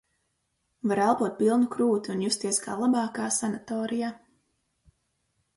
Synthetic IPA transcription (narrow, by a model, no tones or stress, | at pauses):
vaɾalˠpuɔt̪̚pilˠnukɾuːt̪iunjust̪iɛska̰ːlˠabɑːkaːsanat̪ɔːɾija